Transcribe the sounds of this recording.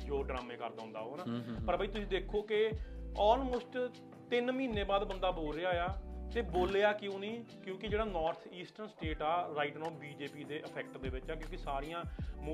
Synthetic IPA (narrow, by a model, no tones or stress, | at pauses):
d͡ʒoːɖɾaːmẽːkəɾd̪aːʊ̃nd̪a̰ːɦoːnaːpəɾbʱaːiːt̪ʊsĩːd̪eːkʰːoːkeɔːlmoːsʈ | t̪ɪnmĩːnːẽːbaːd̪bənd̪aːboːlɾeːaːɦejaːt̪eːboːleːaːkɪjõːnĩːkjõːkɪd͡ʒeːɽaːnɔːɾt̪ʰiːsʈəɾnsʈeːʈaːɾaːɪʈnɔ̃ːbiːd͡ʒeːpiːd̪eːʔəpʰɛːkʈd̪eːbɪt͡ʃaːkjõːkɪsaːɾɪjãːm